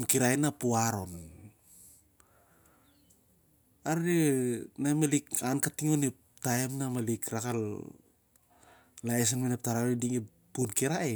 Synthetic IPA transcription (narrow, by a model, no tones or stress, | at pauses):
nkiɾaenapuaɾo̞n | aɾinamelikankatiŋonip̚ | taemnamelikɾakal | laes̬anmenep̚taɾaidiŋi | punkiɾae